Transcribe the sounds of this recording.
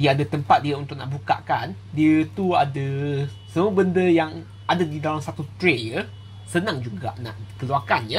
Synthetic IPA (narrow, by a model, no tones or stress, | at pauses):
diəadət̪əmpat̪̚diəunt̪ʊk̚na̰ʔbuka̰ʔkan | diət̪uadə | səmuəbəndəjaŋ | ʔadadidalamsat̪ut̪ɾejə | sənãŋd͡ʒuɡa̰ʔna̰ʔkəluakanjə